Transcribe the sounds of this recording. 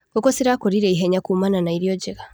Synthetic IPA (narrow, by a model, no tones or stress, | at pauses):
ŋɡɔkɔsiɾakoɾiɾɛiɦeɲakumananaiɾjɔɟeɣa